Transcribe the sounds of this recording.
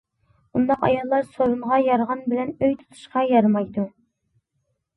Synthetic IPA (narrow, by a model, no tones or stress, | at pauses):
und̪ɑqɑ̰jɑlˠːɑɾsoɾunʁɑjɑɾʁɑnbɪlɛnøjt̪ʰɨ̥t̪ʰɨ̥ʃqɑjɑɾmɑjd̪u